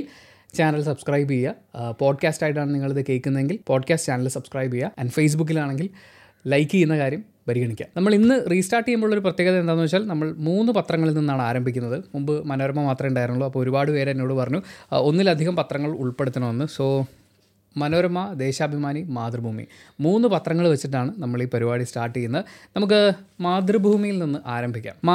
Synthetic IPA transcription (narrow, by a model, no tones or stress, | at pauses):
t͡ɕaːnɐlsɐbskrɐjbijɐ | po̞ːɖkʲaːstɐjʈːaːɳɨniŋːɐɭɐðɨkːe̞jkʲːunːɐðe̞ŋɡilpo̞ːɖkʲaːsʈt͡ɕaːnɐlsɐbskrɐjbijɐɐnɖfejs̬buk̬ːilaːɳe̞ŋɡil | lɐjkːɨijunːɐkaːɾjɐm | pɐɾiɣɐɳikʲːa̰nɐmːɐɭinːɨriːsʈaːrʈːijumboːɭːo̞ɾup̬rɐt̪jeːɣɐðɐend̪aːnːuʋɐt͡ɕːaːlnɐmːɐɭmuːnːɨpɐt̪rɐŋːɐɭilninːaːɳɨaːɾɐmbʱikʲːunːɐðɨmumbɨmɐnoːɾɐmːɐmaːt̪rɐmjuɳɖaːjɾnːuɭːuɐpːoːoɾubaːɽɨʋe̞ːɾnːoːɽɨpɐrɐɲːuo̞nːilɐd̪ʱiɣɐmpɐt̪rɐŋːɐɭuɭpe̞ɽut̪ːuɐɳɐmenːɨso̞ː | mɐnoːɾɐmːɐd̪e̞ːɕaːbʱimaːnimaːd̪rɨbʱuːmḭ | muːnːɨpɐt̪rɐŋːɐɭʋɐt͡ɕːiʈːaːɳɨnɐmːɐɭipɐɾibaːɽisʈaːrʈːijunːɐnɐmuk̬ːɨmaːd̪rɨbʱuːmijilninːɨʔaːɾɐmbʱikʲːa̰ːmː